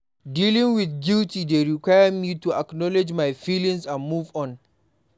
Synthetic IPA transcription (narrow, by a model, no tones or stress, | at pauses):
diːlɪŋwɪθɡʲɪltideɾikʷajɐmiːtuʔaknɔlɛd͡ʒmajfiːlɪŋsanmuːvɔ̃n